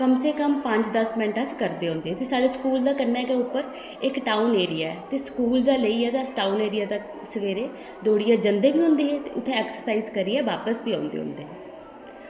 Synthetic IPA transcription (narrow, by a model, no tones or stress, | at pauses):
kəmseːkəmpəɲd͡ʒd̪əsmɛ̃ɳʈəskəɾd̪eːɦõːnd̪eːɦɛːt̪eːsaːɖeːskuːld̪aːkəɾnaːkeʊpːəɾ | ɪkʈaːuneːɾɪjaːɛːt̪eːskuːld̪aːləiːɛːd̪aːsʈaːuneːɾijaːd̪aː | səʋeːɾeː | d̪oːɽɪjaːd͡ʒənd̪eːbiːɦʊ̃nd̪eːɦɛ̃ːt̪eːʊt̪ʰːẽɛːksəɾsaːiːzkəɾiːɛːʋaːpəsbiːãːnd̪ḛːɦʊ̰̃ːnd̪eːɦɛ̃ː